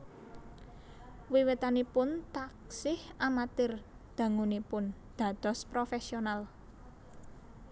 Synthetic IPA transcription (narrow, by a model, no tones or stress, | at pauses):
wiwɪt̪anipʊnt̪aksɪhamat̪ɪr | d̪̥ä̤ŋunipʊn | d̪̥ä̤d̪̥ɔ̤spɾofesional